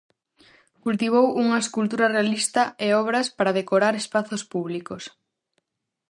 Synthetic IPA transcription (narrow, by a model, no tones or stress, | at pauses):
kult̪iβ̞owuŋɐeskult̪uɾɐrealist̪ɐeɔβɾɐspaɾɐðekoɾaɾespaθospuβlikos